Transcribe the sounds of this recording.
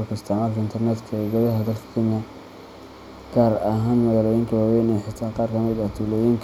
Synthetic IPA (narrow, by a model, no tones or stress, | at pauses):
lkʰɐɪst̪ʰɛʕmaːlkʰɐɪnt̪ʰɛrnɛd̪kʰɐɛɡɔðɐɦɐd̪ɐlkʰɐ̥kʰɛnjɐ | ɡ̥aːɾɐɦaːnmɐɣaːlɔjɪːŋkʰɐwɑːwɛjnɛħɪt̪ʰaːqɑːrkʰɐmɪd̪ɐt̪ʰuːlɛjiŋkʰ